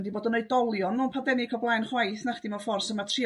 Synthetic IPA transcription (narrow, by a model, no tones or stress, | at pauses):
ndiboːdɔnɔdɔlˠjɔnːɔnpʰadɛnikʰɔblˠajnχwajθnaχd̥imafɔrsəmatʰri